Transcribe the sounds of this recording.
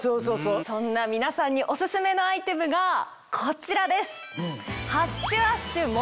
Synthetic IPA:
soːsoːsoːsõ̞nːamʲinasãɲ̟ːiʔo̞sɨsɨme̞no̞ait̪e̞mɯ̟ɡa | kʰo̞t͡ɕiɾad̪e̞sɨ̥haɕːɨaɕːɨmo

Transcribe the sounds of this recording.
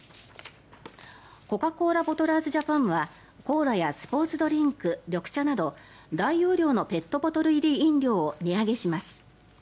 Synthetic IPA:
ko̞kako̞ːɾabo̞t̪o̞ɾaːzɨʑapãɰ̃βa | ko̞ːɾajasɨ̥po̞ːt͡sɨd̪o̞ɾʲĩŋkɯ̟ɾʲo̞kɯ̟̥ɕanad̪o̞ | d̪aijo̞ːɾʲo̞ːno̞pe̞t̪ːo̞bo̞t̪o̞ɾɯ̟iɾʲiĩnɾʲo̞ːoɲ̟ʲiaɡe̞ɕimasɨ̥

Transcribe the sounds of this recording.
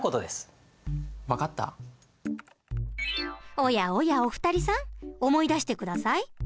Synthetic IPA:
ko̞t̪od̪e̞sɨ̥ | βakat̪ːa̰ | o̞jao̞jao̞ɸɯ̟̥t̪aɾʲisãŋo̞mo̞id̪aɕi̥t̪e̞kɯ̟d̪asai

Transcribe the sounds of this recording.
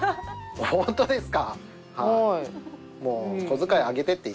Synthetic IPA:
ohõnt̪o̞d̪e̞sɨ̥ka | ha | moːkozɨkaiaɡe̞t̪e̞t̪ːei

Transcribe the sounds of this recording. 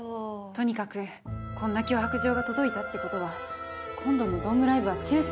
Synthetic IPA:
t̪o̞ɲ̟ikakɯ̟ | kʰõ̞nːakʲo̞ːhakɯ̟ʑo̞ːɡat̪o̞d̪o̞it̪at̪ːeko̞t̪o̞βakʰõ̞nd̪o̞nod̪õ̞mɯ̟ɾaibɯ̟βat͡ɕɨːɕ

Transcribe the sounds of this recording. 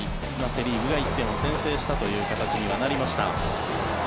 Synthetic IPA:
i | mase̞ɾʲiːbɯ̟ɡait̪ːẽ̞ɰ̃o̞sẽ̞ɰ̃se̞ːɕi̥t̪at̪o̞jɯ̟ːkat̪at͡ɕiɲ̟iβanaɾʲimaɕi̥t̪a̰

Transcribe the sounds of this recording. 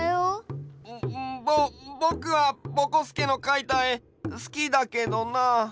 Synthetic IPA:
jo | bobo̞kɯ̟βabo̞kosɨ̥keno̞kait̪ai | sɨ̥kʲid̪ake̞d̪o̞na

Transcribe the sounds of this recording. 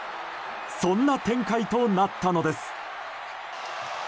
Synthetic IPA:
sõ̞nːat̪ẽ̞ŋkait̪o̞nat̪ːano̞d̪e̞sɨ̥

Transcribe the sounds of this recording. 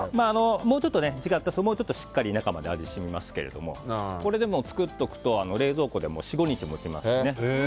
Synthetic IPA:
maːno̞moːt͡ɕot̪ːo̞ned͡ʑiɡat̪ːasomoːt͡ɕo̞t̪ːoɕi̥kːaɾʲinakamad̪e̞aɾʲiɕimʲimasɨ̥ke̞ɾe̞̰d̪o̞̰mo̞̰ko̞ɾe̞d̪e̞mo̞t͡sɨ̥kɯ̟t̪ːo̞kɯ̟̥t̪o̞ano̞ɾe̞ːzo̞ːko̞d̪e̞mo̞ːɕiɡo̞ɲ̟it͡ɕimo̞t͡ɕima̰sne̞

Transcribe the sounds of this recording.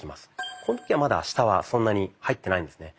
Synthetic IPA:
ima̰sɨ̥kʰo̞not̪o̥kʲiβamad̪a̰ɕi̥t̪aβa̰sõ̞nːaɲ̟ihait̪ːe̞naĩnd̪e̞sɨne̞

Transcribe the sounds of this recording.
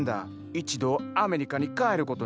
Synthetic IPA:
nd̪a̰ | it͡ʃid̪oameɾikanikaeɾukot̪o

